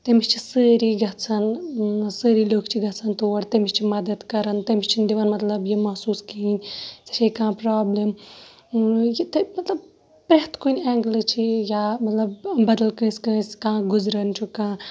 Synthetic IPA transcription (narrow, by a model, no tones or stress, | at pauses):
t̪emit͡ʃt͡ʃʰisəːɾiɡɐt͡sʰɐnsəːɾiːloːkt͡ʃʰiɡɐt͡sʰɐnt̪oːɐɾt̪ɐmit͡ʃt͡ʃʰimɐd̪ɐd̪kɐɾɐnt̪ɐmist͡ʃʰind̪iʋɐnmɐt̪lɐbjimɐɦsuːskiːnʲt͡sɐ̥t͡ʃʰekãːpɾaːblem | jit̪ɐmɐt̪lɐb | pɾeɦt̪kuːnʲɛːŋɡlɨt͡ʃʰijaːmɐt̪lɐbbɐd̪ɐlkə̃ːsʲkəːskãːɡuzɾɐnt͡ʃʰukãː